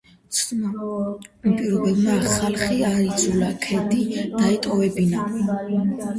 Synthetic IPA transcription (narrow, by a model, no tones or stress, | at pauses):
mpʼiɾɔbɛbmaχalˠχiaɾid̪zulakʰɛd̪id̪̥aɛt̪ʼɔvɛbina